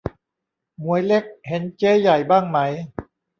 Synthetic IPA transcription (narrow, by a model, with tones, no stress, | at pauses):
mu˨˩˦əjle˦˥k̚he˨˩˦nt͡ɕeː˦˥ja˨˩jbaː˥˩ŋma˦˥j